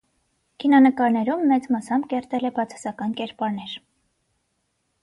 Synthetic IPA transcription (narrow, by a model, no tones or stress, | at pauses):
kʰinɑnəkɑɾnɛɾumːɛt͡smɑsɑmkɛɾt̪ɛlɛbɑt͡sʰɑ̥sɑkɑnkɛɾpɑɾnɛɾ